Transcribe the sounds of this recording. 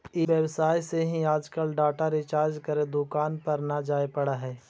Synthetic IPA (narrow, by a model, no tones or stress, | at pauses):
ɪʋjəwsaːiseɦĩaːd͡ʒkəlɖaːʈaɾet͡ʃaːɾd͡ʒkəɾed̪ʊkaːnpɐɾnɐd͡ʒaːepɐɽaɦɛː